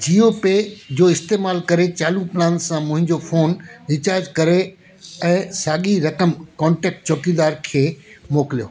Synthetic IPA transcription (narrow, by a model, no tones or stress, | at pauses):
d͡ʑiːoːped͡ʑoːɪst̪eːmaːlkɐɾet͡ɕaːlũplãːnsãmʊ̃ɦɪ̃ɲd͡ʑofoːnɾɪt͡ɕaːɾd͡ʑkɐɾe | ɛ̃ːsaːɠiɾɐkəmkɔ̃ːɳʈɛːk̚ʈ̚t͡ɕɔːkid̪aːɾkʰeːmoːkɪlijo̰ː